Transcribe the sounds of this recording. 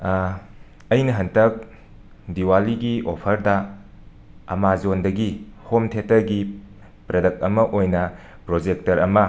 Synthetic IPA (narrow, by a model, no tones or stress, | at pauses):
ɐjnɐɦɐntɐk̚ | diwaliɡiopʰɐɾdɐ | ɐ̰mazondɐɡihomtʰetɐɾɡi | pɾɐdɐk̚ɐmɐʔojnɐ | pɾod͡ʒek̚tɐɾɐmɐ